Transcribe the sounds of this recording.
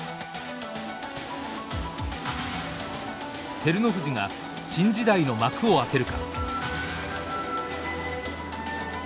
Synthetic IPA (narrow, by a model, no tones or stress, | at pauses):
t̪e̞ɾɯ̟no̞ɸɯ̟ʑiŋa | ɕĩɲ̟d͡ʑid̪aino̞makɯ̟o̞ak̪e̞ɾɯ̟ka̰